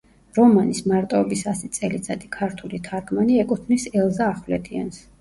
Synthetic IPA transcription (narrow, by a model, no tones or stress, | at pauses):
ɾɔmanismaɾt̪ʼɔɔbisasit̪sʼɛlid̪sʼad̪ʼikʰaɾt̪ʰulit̪ʰaɾɡʰmaniɛkʼut̪ʰnisɛlˠzaːχvlɛd̪ʰʼia̰ns